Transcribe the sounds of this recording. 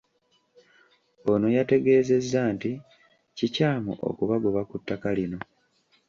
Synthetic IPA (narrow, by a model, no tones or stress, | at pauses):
o̞no̞jate̞ɡe̞ːze̞zːaːnti | cicaːmṵʔo̰kuβaɡoβakutːakalino̞